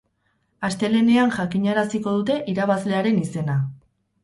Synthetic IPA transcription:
ast̪e̞le̞ne̞anʝakiɲaɾasiko̞ðut̪e̞ʔiɾaβ̞azle̞aɾe̞nise̞na

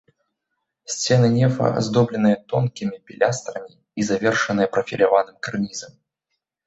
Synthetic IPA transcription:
sʲt͡sʲɛnɨnʲɛfɐ̰a̰zd̪ɔblʲɪnɨjɐt̪ɔnkʲimʲipʲilʲʔast̪ɾɐmʲi | izavʲɛrʂɨnɨjɐpɾɐfʲḭlʲavanɨmkarnʲizɐm

